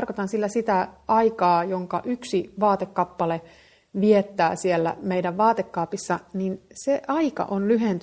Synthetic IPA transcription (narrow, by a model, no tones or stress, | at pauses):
rkot̪ɑnsilːæsit̪æʔɑikɑːjoŋkɑʔyksiʋɑːt̪ekːɑpːɑle | ʋiet̪ːæːsielːæ̰meidæʋʋɑːt̪ekːɑːpisːɑninseʔɑikɑ̰ʔonlyɦent̪